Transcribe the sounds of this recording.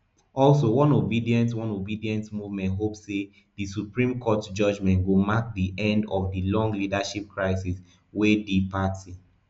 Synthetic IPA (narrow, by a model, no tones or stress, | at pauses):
ʔɔlsowɔ̃nobidiɛ̃ntwɔ̃nobidiɛ̃ntmuvmɛ̃ntɦopsːe | disupɹĩmkʰɔtd͡ʒʌd͡ʒmɛ̃ntɡomak̚diʔɛ̃ndɔfdilɔ̃ŋɡlidaʃip̚kʰɹaɪsis | wedipatʰi